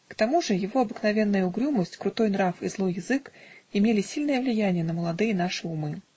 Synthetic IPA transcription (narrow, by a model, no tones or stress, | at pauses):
kt̪ɐmuʐɨjɪvo̞ɐbɨknɐvʲe̞n̪ːəjəʊɡɾʲuməsʲtʲkɾʊt̪o̞jnɾafḭzlˠo̞jːɪzɨkɪmʲelʲɪsʲilʲnəjəvlʲɪjænʲɪjənəməlˠɐd̪ɨjən̪aʂɨʊmɨ